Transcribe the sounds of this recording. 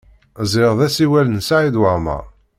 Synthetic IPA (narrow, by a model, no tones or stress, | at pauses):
zˤɪʁðæsiwælənsaʕid̪wəʁmə̰